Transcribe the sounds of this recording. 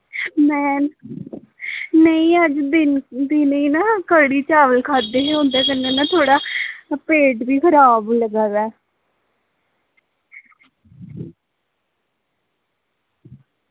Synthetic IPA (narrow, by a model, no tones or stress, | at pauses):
mɛːn | nəĩːəd͡ʒd̪ɪnd̪inĩːnaːkəɽiːt͡ʃaːʋəlkʰaːd̪eːɦõːnd̪eːkənːẽːnãːt̪ʰoːɽaːpeːʈbiːkʰəɾaːbləɡaːdɛː